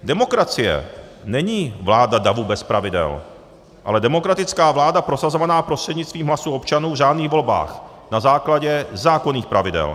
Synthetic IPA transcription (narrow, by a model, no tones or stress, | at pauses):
dɛmo̞kɾat͡sɪjɛ̰nɛɲiːvlaːdadavubɛspɾavɪdɛ̰l | ʔa̰lɛdɛmo̞kɾat̪ɪt͡skaːvlaːdapɾo̞sazo̞vanaːpɾo̞str̥ɛdɲɪt͡st̪viːmɦlasuo̞pt͡ʃanuːvʒaːdniːɣvo̞lba̰ːx | nazaːklaɟɛzaːko̞niːxpɾavɪdɛ̰l